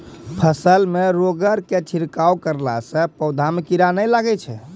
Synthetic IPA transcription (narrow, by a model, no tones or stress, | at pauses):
pʰəsəlmeɾoɡəɾket͡ʃʰiɾkawkəɾlasə̃pəwd̪ʱamekiɾanəjlaɡɛt͡ʃʰɛ̰